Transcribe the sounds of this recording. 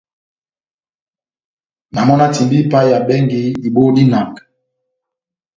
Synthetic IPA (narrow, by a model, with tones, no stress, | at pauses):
na˨mɔ˦na˦ti˨mbi˦pa˦ja˨bɛ˦ŋɡi˨i˨bo˦di˦na˨ŋk